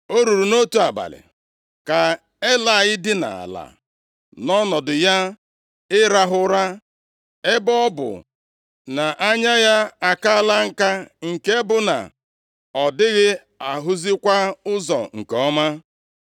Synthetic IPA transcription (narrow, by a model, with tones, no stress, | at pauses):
o˦ɾu˨ɾu˨no˦tu˦a˨ba̰˨lɪ̰˨ | ka˨ | e˦la˨ɪ˦dɪ˦na̰˨a̰˨la̰˨ | nɔ˦nɔ˨dʊ˨ja˦ | ɪ˦ɾa˦ɦʊ˦ɾa˦ | e˦bɔ˦bʊ̰˨ | na˨ʔa˦ɲa˦ja˦a˨ka˦a˦la˦ŋ̩˦ka˦ŋ̩˨ke˦bʊ˦na̰˨ | ɔ˨dɪ˦ɣɪ˦ | a˨ɦʊ˦zi˦kʷa˦ʊ˦zɔ̰˨ŋ̩˨kɔ˦ma˦